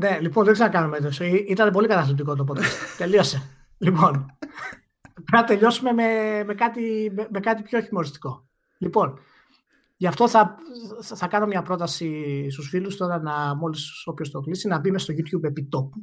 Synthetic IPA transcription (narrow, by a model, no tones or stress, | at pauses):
ne̞liponðeksenɐkɐnumeðesoiit̪ɐne̞p̬o̞likɐt̪ɐθlip̚t̪iko̞t̪o̞p̬o̞t̪kɐst̪t̪e̞lio̞se̞ | lipo̞n | ɐt̪e̞ʎo̞sume̞me̞me̞kɐt̪imeme̞kɐt̪ipço̞çimo̞ɾist̪i̥ko̞ | lipo̞n | ʝɐft̪o̞θɐ | θɐkɐno̞mɲɐpɾo̞t̪ɐsist̪usfilust̪o̞ɾɐnɐmo̞liso̞pço̞st̪o̞klisinɐbimest̪oʝut̪çube̞pit̪o̞pu̥